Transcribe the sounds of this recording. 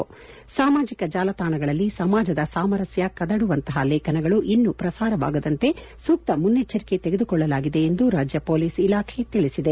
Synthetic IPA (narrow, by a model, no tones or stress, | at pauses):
saːmaːd͡ʒikɐd͡ʒaːlɐt̪aːɳɐɡɐɭɐlːisɐmaːd͡ʒɐd̪ɐsaːmɐɾɐsjɐkɐd̪ɐɽuʋɐnt̪ɐɦɐlɛːkʰɐnɐɡɐɭuʔinːupɾɐsaːɾɐʋa̰ːɡɐd̪ɐnt̪e̞ | suk̚t̪ɐmunːet͡ʃːɐɾike̞t̪eɡed̪ukɔɭːɐlaːɡid̪e̞ːnd̪uɾaːd͡ʒjɐpoːliːsilaːkʰe̞t̪iɭisid̪e